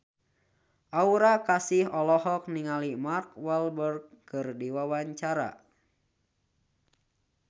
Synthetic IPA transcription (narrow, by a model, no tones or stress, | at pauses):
ʔauɾakasiɦɔlɔhɔk̚niŋalimarkwalbərɡ̚kɨrdiwawaɲt͡ʃaɾa̰